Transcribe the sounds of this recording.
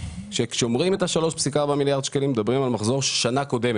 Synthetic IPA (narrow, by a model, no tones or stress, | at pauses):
ʃe̞kʃomʁime̞t̪aʃalo̞ʃpsikabamiljaʁd̪ʃkelimed̪abʁimalmaχzoʁʃelʃanako̞d̪e̞me